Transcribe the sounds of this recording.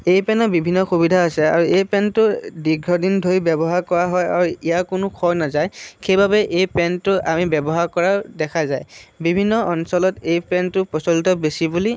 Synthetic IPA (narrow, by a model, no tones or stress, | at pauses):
ejpɛnɔbibʱinːɔxubidʱaasɛa̰ɹuejpɛntʊdiɡʱɹɔdindʱoibɛbɔɦaɹkɔɹaɦɔja̰ɹuijakʊnʊkʰɔjnazajkʰejbabɛʔejpɛntʊʔamibɛbɔɦaɹkɔɹadɛkʰazajbibʱinːɔʔɔnsɔlɔtejpɛntʊpɔsɔlitɔbesibuli